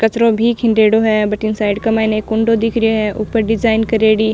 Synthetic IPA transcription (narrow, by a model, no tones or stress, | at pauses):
kɐt͡ʃɾõbʱikʰɪ̃ɳɖeːɽoɦɛbɐʈɪŋsaːɪɖkɐmaːɪnekʊɳɖod̪ɪkʰɾieɦɛ̃ʔuːpəɾɖɪd͡ʒaːɪnkɐɾeːɽiː